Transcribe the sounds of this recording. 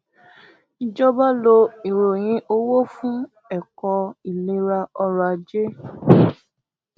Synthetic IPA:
i˨d͡ʒɔ˦ba˦lo˧i˨ɾo˨j̃ĩ˧˦ʔo˦wo˦fũ˦ | ɛ˦˨kɔ˧i˨le˧ɾa˧ɔ˧ɾa˧˨d͡ʒe˦

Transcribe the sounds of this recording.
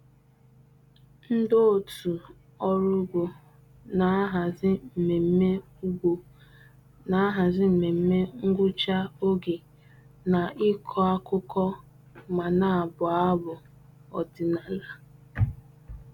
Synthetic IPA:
n̩˦do˦˨tu˨ | ɔ˦ɾʊ˦ɡʷo˨ | na˨˦ɦa˨zɪ˦m̩˨me˨m̩˦me˦ | u˦o˨ | na˨˦ɦa˨zɪ˦m̩˨me˨m̩˦me˦ŋ̩˦ɡʷʊ˦t͡ʃa˦o˦ɡe˨ | na˨ʔɪ˦kʰɔ˦a˦kʊ˦kɔ˦ | ma˨na˨a˨bʊ˨a˦bʊ˨ | ɔ̰˨dɪ˨na˨la˨

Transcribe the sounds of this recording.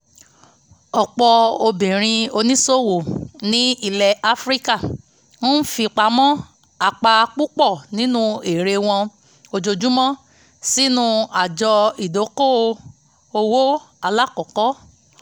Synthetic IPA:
ɔ˨k͡pɔ˧o˧bĩ˨ɾ̃ĩ˧o˧nĩ˦so˦˨wo˨nĩ˦i˦˨lɛ˨a˦fɾi˦ka˦˨ | wɔ̃˦n̩˦fi˧k͡pa˧mɔ̃˦ | a˧˨k͡pa˧k͡pu˦k͡pɔ˦˨nĩ˨˦nũ˦e˨ɾe˧w̃ɔ̃˧ | o˧d͡ʒo˧d͡ʒu˦mɔ̃˦ | si˦nũ˦a˨d͡ʒɔ˧i˨do˨˦ko˦o˧ | o˧wo˦ | a˧la˦kɔ˨kɔ˦

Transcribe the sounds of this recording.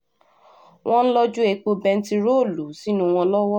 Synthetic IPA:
wʔɔ̃˦n̩˦lɔ˦d͡ʒu˦e˧k͡po˧bɛ˧n̩˦ti˧ɾo˦˨lu˨˦si˨˦nũ˧w̃ɔ̃˧lɔ˦wɔ˦

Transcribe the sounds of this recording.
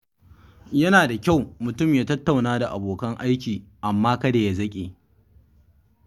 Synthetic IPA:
jɐ˦naː˨da˨kʲa˦˨wmʊ˨tʊ˦˨mjaː˦tɐ˦tːa˨wnaː˦da˨ʔa̰˨boː˨kɐ˦ŋʔa˦jkʲiː˨ʔa˨mːaː˦kɐ˦da˨ja˦zɐ˦kʲʼeː˨

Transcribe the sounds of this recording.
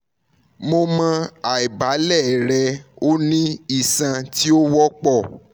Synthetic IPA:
mo˧mã˧a˨i˨ba˨˦lɛ˦˨ɾɛ˧o˦nĩ˦i˦˨sã˧ti˦o˦wɔ˦k͡pɔ˦˨

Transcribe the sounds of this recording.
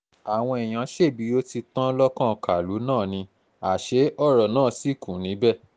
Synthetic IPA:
a˨w̃ɔ̃˧ɛ˨j̃ã˨˧˦ʃe˦˨bi˨˧˦o˦ti˧tã˦lɔ˦kã˦˨˧ka˨lu˨˦nãː˦˨nĩ˧ | a˨ʃe˨˦ɔ˦˨ɾɔ˨nãː˦˨si˦˨kũ˨nĩ˨˦bɛ˦˨

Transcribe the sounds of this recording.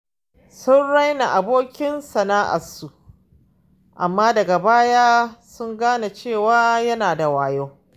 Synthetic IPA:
sʊ˦nɽa˦jna˨ʔa˨boː˦kʲɪ˦nsɐ˨naː˦ʔa̰˨su˨ʔ | ʔa˨mːaː˦dɐ˨ɡa˨baː˦jaː˦sʊ˦ŋɡaː˦na˨t͡ʃeː˦˨waː˦jɐ˦naː˨da˨waː˨joː˦

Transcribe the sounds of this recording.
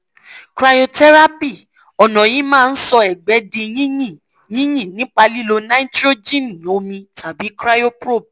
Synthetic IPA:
kɾa˧jo˧tɛ˦ɾa˦pi˦˨ | ɔ˨nɔ̃˨ji˨˦mãː˦˧n̩˦sɔ˧ɛ˨ɡ͡bɛ˨˦de˧jĩ˦jĩ˦˨ | jĩ˦j̃ĩ˦˨nĩ˨˦k͡pa˧li˦lo˧na˦i˦tɾo˦d͡ʒĩ˦nĩ˨o˧mĩ˧tʰa˨bi˨˦kɾa˦jo˦pɾo˦˨b̚

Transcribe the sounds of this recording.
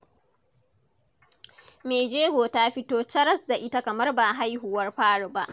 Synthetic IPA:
meː˨d͡ʒeː˦ɡʷoː˨ta˦ɸɪ˦toː˦t͡ʃɐ˦ɾɐ˦sda˨ʔɪ˦ta˦kɐ˨mɐ˦rbaː˨ɦa˦jɦʊ˨wɐ˦rɸaː˦ɽu˨ba˦ʔ

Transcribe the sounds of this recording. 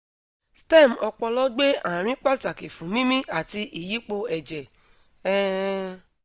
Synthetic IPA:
stɛ˦˨m˨ɔ˧k͡pɔ˧lɔ˦ɡ͡be˦ã˨ɾ̃ĩ˦k͡pa˦ta˨ke˨fũ˨mĩ˦mĩ˦a˨ti˧ʔi˨ji˨˦k͡po˧ɛ˨d͡ʒɛ˨ | ɛ˦

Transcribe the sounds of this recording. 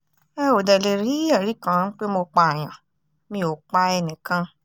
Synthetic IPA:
ɛ˦o˨dɛ˨le˨ɾi˨˦ɛ˦˨ɾi˨˦kã˧˦˧n̩˦k͡pe˦mo˧k͡pa˧a˨j̃ã˨ | mĩ˧˦˨o˨k͡pa˦ɛ˧nĩ˨kã˧

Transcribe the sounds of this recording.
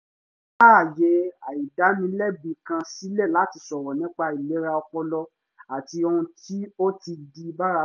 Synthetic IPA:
a˦˨je˨˧a˨i˨da˨˦nĩ˧˦lɛ˦˨bi˨kã˧si˦le˦˨la˨˦ti˧sɔ˨ɾɔ˨nĩ˦k͡pa˧i˨le˨˦ɾa˧ɔ˧k͡pɔ˧lɔ˧ | a˨ti˧o˧ũ˧ti˦o˦ti˧di˧˦˧ba˦ɾa˧

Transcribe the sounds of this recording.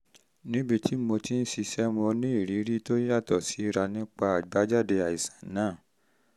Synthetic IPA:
nĩ˦be˧tʰi˦mo˧ti˦n̩˦si˧sɛ˦mɔ̃˧nĩ˦i˦˨ɾi˨˦ɾi˦to˦a˦˨tɔ˦˨si˨˦ɾa˧nĩ˦k͡pa˧a˨ɡ͡ba˨˦d͡ʒa˦˨de˧a˨i˨sḁ̃˨˦nãː˦˨

